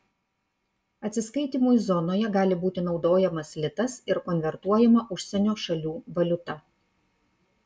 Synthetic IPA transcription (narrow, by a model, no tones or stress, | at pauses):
ɐt̪ʲsʲɪskɐɪt̪ʲiːmujzɔnoːjɛɡɑːlʲɪbuːt̪ʲɪnɒʊd̪oːjɛmɐslʲɪt̪ɐsɪɾkɔnʲʋʲɛɾt̪uɔjɛmɐʔʊʃʲsʲɛnʲoːʃɐlʲuːʋɐlʲʊt̪ɐ